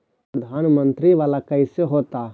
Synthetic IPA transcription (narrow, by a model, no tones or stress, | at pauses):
pɾəd̪ʱaːnmə̃nt̪ɾiʋaːlakɐɪseɦoːt̪aː